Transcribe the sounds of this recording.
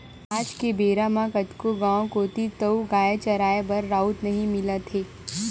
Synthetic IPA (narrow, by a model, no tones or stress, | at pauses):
aːd͡ʒkebeːɾamãkɐtkoɡãːõkoːt̪it̪əuɡaːjet͡ʃɐɾaːebɐɾːaːut̪nɐɦĩmɪlat̪ʰeː